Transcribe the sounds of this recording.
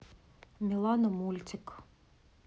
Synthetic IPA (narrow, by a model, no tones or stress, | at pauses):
mʲilˠɑnɔmulʲt͡sʲɪk